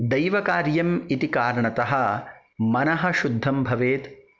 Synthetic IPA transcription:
d̪ɐjʋɐkaːɾjɐmit̪ikaːɾɐɳɐt̪ɐɦɐ̆ | mɐnɐɦɐ̆ʃud̪ʱːɐmbʱɐʋeːt̪

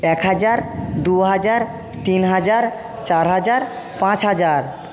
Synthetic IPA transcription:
ɛkɦad͡ʑaɾd̪uɦad͡ʑaɾ | t̪inɦad͡ʑaɾ | t͡ɕaɾɦad͡ʑaɾ | pãt͡ɕɦad͡ʑaɾ

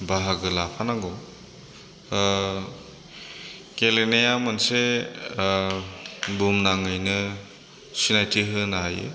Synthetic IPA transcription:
baɦaɡɯlapʰanaŋɡɔ | kelenejamanse | bumnaŋɯjnɯ | sinajtʰiɦɯnaɦajɯ̰

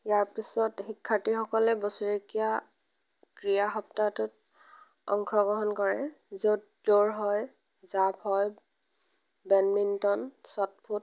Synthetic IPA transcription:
jaɹpisɔtxikʰːatixɔkɔlɛbosuɹikija | kɹijaxɔp̚tatʊt | ɔ̰ŋkʰɹɔɡɹɔɦɔnkɔɹɛzot | doɹɦɔj | zaphɔj | bɛnmintɔnsɔt̚pʰut̚

